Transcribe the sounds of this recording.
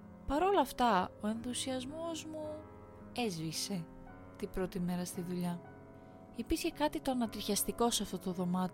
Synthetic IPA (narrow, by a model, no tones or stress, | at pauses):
pɐɾo̞lɐft̪ɐo̞e̞nθusiɐzmo̞zmu | e̞zvise̞ | t̪ibɾo̞t̪ime̞ɾɐst̪iðuʎɐ | ipisçe̞kɐt̪it̪o̞ɐnɐt̪iɾçɐst̪iko̞seɐft̪o̞t̪oðo̞mɐt̪i